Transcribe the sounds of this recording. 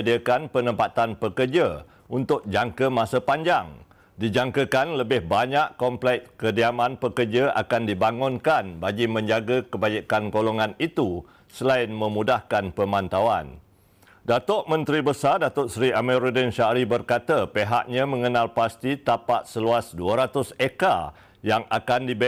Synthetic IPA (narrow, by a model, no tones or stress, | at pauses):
diəkanpənəpat̪anpəkərd͡ʒə | unt̪ʊk̚d͡ʒaŋkəmasəpaɲd͡ʒaŋ | did͡ʒaŋkəkanləbɪhbaɲaʔkɔmplɛk̚kədiamãnpəkərd͡ʒəʔa̰kandibaŋʊnkanbaɡimə̃ɲd͡ʒaɡəkəbad͡ʒikanɡolɔŋanit̪u | səlaɪnmə̃mũdahkanpəmãnt̪awa̰n | dat̪ɔʔmə̃nt̪ɾibəsardat̪ʊtsɾiʔaməɾudənʃaɾibərkat̪əpeɦa̰ʔɲãmə̃ŋənalpast̪it̪apaʔsəluasduəɾat̪ʊseka | jaŋʔa̰kandib